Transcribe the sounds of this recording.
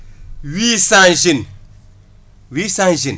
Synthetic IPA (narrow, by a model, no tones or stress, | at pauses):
wisãnʒin | wisãn̩ʒin